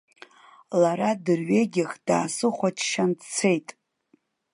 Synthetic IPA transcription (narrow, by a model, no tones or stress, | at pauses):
laɾadɨrɥeɡʲɪχd̥aːsɨχʷat͡ʃʰʃandt͡sʰe̞jtʼ